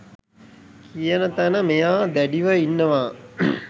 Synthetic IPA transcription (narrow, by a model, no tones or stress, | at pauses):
kijənət̪ænəmejaːd̪æɖiʋəinːəʋaː